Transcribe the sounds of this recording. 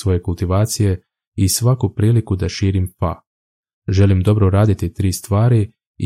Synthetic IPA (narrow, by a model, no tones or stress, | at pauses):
ʋo̞je̞kulˠt̪iʋaːt̪sije̞ | isʋakupɾiːlikud̪aʃiːɾimfa̰ | ʒe̞limd̪o̞bɾoɾaːd̪it̪it̪ɾiːst̪ʋaːɾi